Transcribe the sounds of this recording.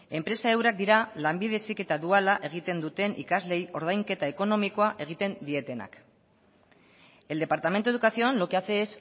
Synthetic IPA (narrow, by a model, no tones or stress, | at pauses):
e̞mpɾe̞sae̞wɾak̚d̪iɾalambiðesike̞t̪aðualaʔe̞ɣ̞it̪e̞nd̪ut̪e̞nʔḭkazle̞jo̞ɾð̞ajŋke̞t̪ae̞ko̞no̞miko̞aʔe̞ɣ̞it̪e̞nd̪ie̞t̪e̞na̰k | e̞ld̪e̞paɾt̪ame̞nt̪ue̞ðukasioanlo̞keaθeːs